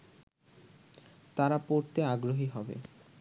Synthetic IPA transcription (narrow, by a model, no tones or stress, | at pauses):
t̪aɾapoɾt̪eaɡɾoɦiɦɔbḛ